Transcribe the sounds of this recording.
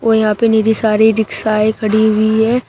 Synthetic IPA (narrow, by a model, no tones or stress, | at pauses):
ʋojɐɦãːpeneːɾisaːɾiɾɪksaːekʰɐɽiɦʊiɦɛː